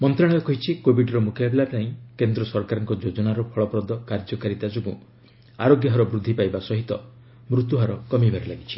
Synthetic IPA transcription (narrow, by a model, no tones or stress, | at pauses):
mɔnt̪ɾaɽ̃ɔjɔkɔɦit͡ʃʰikobiɖɾɔmukʰjabelat̪aĩkend̪ɾɔsɔɾkaɾɔŋkɔd͡ʒod͡ʒɔnaɾɔpʰɔɭɔpɾɔd̪ɔkaɾd͡ʒɔkaɾit̪ad͡ʒɔɡṵ̃ | aɾoɡjɔɦɔɾɔbɾud̪ʱːipajbasɔɦit̪ɔ | mɾut̪uɦaɾɔkɔmibʱaɾilaɡit͡ʃʰi̥